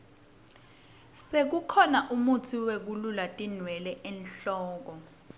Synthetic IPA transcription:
sek̬ukʰɔnaʔumutʰiwek̬ululatʼin̤wɛlɛʔɛnɬɔːk̬ɔ

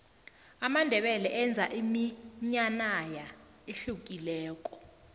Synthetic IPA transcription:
amandʱɛɓɛlɛʔɛnd͡zʱaʔimiɲanaja | eɬuk̬ilɛːk̬ʼɔ̥

